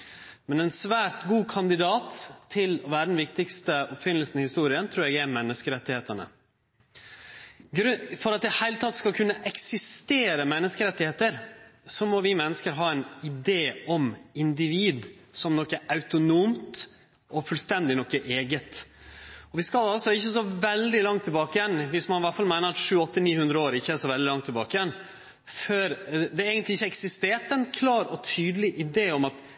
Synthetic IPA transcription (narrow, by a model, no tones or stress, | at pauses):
mɛnɛnsʋæːɾt̪ɡuːkʰɑnd̪ɪd̪ɑːt̪ʰːɪlɔʋæːɾəd̪n̩ʋɪkt̪ɪkst̪əɔpfɪnːəlsn̩ɪhɪst̪uːɾɪənt̪ʰɾuːɾjɛɡɛɾmɛnːəskəɾɛt̪ːɪheːt̪əɳə̰ | ɡɾfɔɾɑt̪̚d̪ɪhæɪlət̪ʰɑt̪ːskɑlkʰʉnːəʔɛksɪst̪eːɾəmɛnːəskəɾɛt̪ːɪheːt̪əɾsɔmɔʋɪmɛnːəskəɾɦɑːɛnɪd̪eːɔmɪnd̪ɪʋiːd̪ | sɔmnɔkːəʔɑʉt̪ʊnuːmt̪ | ʔɔfʉlst̪ɛnd̪ɪnɔkːəʔeːɡət̪ | ɔʋɪskɑlɑlsɔɪçːəs̬ɔʋɛld̪ɪlɑŋt̪ʰːɪlbɑːkəjɛnʋɪsmɑnʋæʈfɑlmæɪnəɾɑt̪ʂʉːɔt̪ːəniːhʉnd̪ɾəoːɾɪçːəæʂɔʋɛld̪ɪlɑŋt̪ʰːɪlbɑːkəjɛn | føɾd̪ɛɾeːɡənt̪lɪɪçːəɛksɪst̪eːɾʈ̪ɛnkʰlɑːɾɔt̪ʰyːd̪əlɪʔɪd̪eːɔmɑt̪